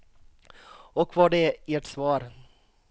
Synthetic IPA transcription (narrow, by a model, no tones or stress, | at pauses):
ɔkʰːvaɖɛeːʈsvɑːɾ